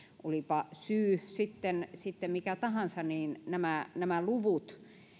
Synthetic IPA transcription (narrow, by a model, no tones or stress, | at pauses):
ʔolipɑsyːsit̪ːensit̪ːemmikæt̪ɑhɑnsɑniːnnæmænæmæluʋut̪